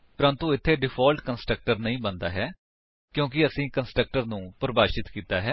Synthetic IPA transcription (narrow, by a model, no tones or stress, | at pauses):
pəɾə̃nt̪ũːɪt̪ʰːeːɖɪpʰaːlʈkənsʈɾək̚ʈəɾnəĩːbənd̪a̰ːɦɛː | kjõːk̬ɪəsĩːkənsʈɾək̚ʈəɾnũːpɾəbaːʃɪt̪kiːt̪aːɦɛː